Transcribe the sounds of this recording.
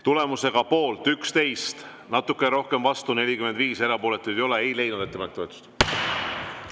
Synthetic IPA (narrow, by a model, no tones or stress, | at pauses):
t̪ule̞muse̞ɡ̥ɑpo̞ːlt̪ˑykst̪e̞jst̪ | nɑt̪ːukːˑeɾo̞hke̞mvɑst̪une̞lʲikyme̞nd̪viːse̞ɾɑpo̞ːle̞t̪ːˑu̥ejo̞le̞ejle̞jnud̪̥e̞t̪ːepɑnekt̪o̞et̪u̥st̪